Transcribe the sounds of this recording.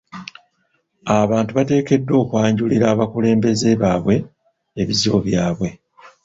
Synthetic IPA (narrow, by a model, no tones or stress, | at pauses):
aβaːntuβate̞ːke̞dːo̞ːkwaːɲɟuliɾaːβakule̞ːmbe̞ze̞βaβwe̞ː | βizioβjaːβwe̞